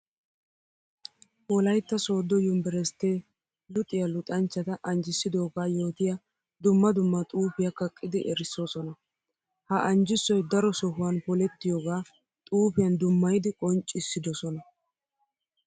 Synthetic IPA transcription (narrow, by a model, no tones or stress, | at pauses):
ʔɔlɐjt̪ːɐso̞ːd̪ɔjʊmbɛɾɛst̪ːeː | lʊt̪ʼɪjɐlʊt̪ʼɐnt͡ʃːɐt̪ɐʔɐnd͡ʒɪsːɪd̪o̞ːɡaːjo̞ːt̪ɪja | d̪ʊmːɐd̪ʊmːɐt̪ʼuːpɪjɐkɐkʼːɪd̪ɪʔɛɾɪsːoːsɔnɐ | hɐʔɐnd͡ʒɪsːɔjd̪ɐɾɔsɔɦʊwɐnpɔlɛt̪ːɪjoːɡaː | t̪ʼuːpɪjɐnd̪ʊmːɐjd̪ɪkʼɔnt͡ʃʼːɪsːɪd̪ɔsɔnɐ